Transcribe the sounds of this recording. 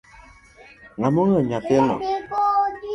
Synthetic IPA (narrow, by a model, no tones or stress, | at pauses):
ŋamɔŋəɲakɛnɔ̰